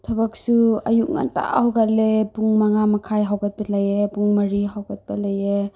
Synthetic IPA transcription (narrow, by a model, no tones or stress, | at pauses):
tʰabak̚sua̰juʔ̚ŋa̰nta̰hawɡat̚lebuŋmaŋamakʰajɦawɡat̚balajebuŋmaɾiɦawɡat̚balaje